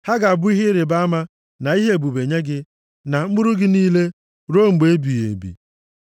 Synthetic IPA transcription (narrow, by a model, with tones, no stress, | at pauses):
ha˦ɡa˨a˨bʊ˦i˦ɦe˦ɾe˨ba˦a˦ma˦ | na˨i˦ɦe˦˨bu˨be˨ɲe˦ɡɪ˦ | na˨m̩˦bʊ˦ɾʊ˦ɡɪ˦niː˦le˦ | ɾo˦ŋ͡m̩˨ɡ͡be˨e˦bi˨jḛ˨bḭ˨